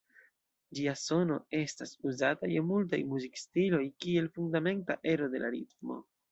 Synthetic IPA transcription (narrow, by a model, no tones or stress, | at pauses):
d͡ʒiaso̞no̞̰e̞stasuzatajemult̬a̰jmuzikstilo̞jkie̞lfundame̞nta̰ʔe̞ɾo̞de̞lʔaɾit̚mo̞̰